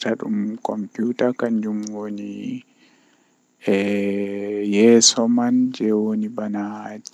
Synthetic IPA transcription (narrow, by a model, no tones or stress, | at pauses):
taɗumkɔmpuːtakand͡ʒumwoni | jɛsɔmand͡ʒɛwonibanad͡ʒ